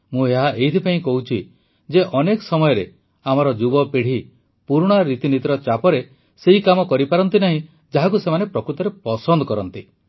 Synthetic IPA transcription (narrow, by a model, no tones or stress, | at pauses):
mũeɦaʔeɦit̪ʰipaĩkɔɦut͡ʃʰi | d͡ʒeʔɔnekɔsɔmɔjɔɾe | amɔɾɔd͡ʒubɔpeɽ̤i | puɾɽ̃aɾit̪init̪ɾɔt͡ʃapɔɾe | seɦikamɔkɔɾipaɾɔnt̪inaɦĩ | d͡ʒaɦak̬usemanepɾɔkɾut̪ɔɾepɔsɔnd̪ɔkɔɾɔnt̪i